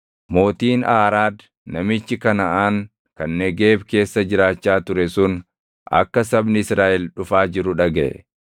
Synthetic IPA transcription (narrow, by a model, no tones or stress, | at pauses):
mo̞ːt̪iːnʔaːɾaːd̪ | nɐmɪt͡ʃːɪkɐnɐʔaːŋ | kɐnːɛɡeːbke̞ːsːɐd͡ʒɪɾaːt͡ʃːaːt̪ʊɾɛsʊn | ʔɐ̰kːɐsɐbnɪɪsɾaːʔɛlᶑʊfaːd͡ʒɪɾʊᶑɐɡɛʔɛ̰